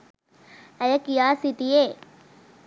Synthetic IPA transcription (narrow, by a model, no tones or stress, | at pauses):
ɐjɐkijaːsit̪ije